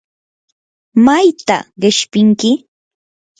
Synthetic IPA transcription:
majt̪a̰ɢɪʃpɪŋkɪ

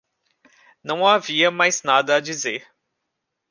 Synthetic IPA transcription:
nɐ̃w̃aviɐmajznad̪ɐːd͡ʒizeɾ

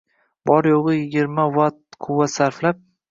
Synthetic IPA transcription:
bɒɾjoʁɨjɪɡʲɪɾmavat̪qʰʊwːat̪saɾflap̚

